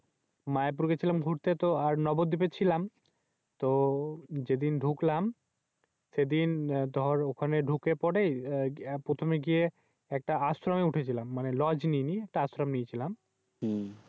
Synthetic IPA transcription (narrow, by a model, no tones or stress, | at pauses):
maep̬uɾɡet͡ɕʰilamɡʱuɾt̪et̪oaɾnɔbod̪d̪ip̬et͡ɕʰilam | t̪o | d͡ʑed̪inɖʱuklam | sed̪ind̪ʱɔɾokʰaneɖʱukepɔɖejpɾot̪ʰomeɡije | ɛk̚ʈaasɾameuʈʰet͡ɕʰilamːanelɔd͡ʑniniɛk̚ʈaasɾamnit͡ɕʰilam